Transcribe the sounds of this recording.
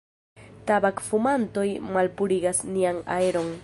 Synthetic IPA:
t̪abakfumant̪ojmalpʊɾiɡasniaŋa̰eɾoŋ

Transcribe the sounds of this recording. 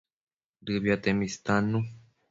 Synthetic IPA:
d̪ɨvjat̪emist̪anːu

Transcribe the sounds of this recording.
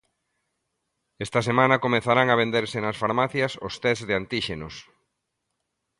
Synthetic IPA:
est̪ɐsemãnɐkomeθaɾaŋɐβ̞end̪eɾsenɐsfaɾmaθjɐsost̪ɛzðeant̪iʃenʊs

